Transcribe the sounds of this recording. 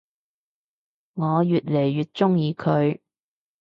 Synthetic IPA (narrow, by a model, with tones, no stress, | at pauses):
ŋɔː˨˧jyː˨t̚le˨˩jːyː˨t̚t͡ʃʊ˥ŋjiː˨˧kʰɵ˨˧ɥ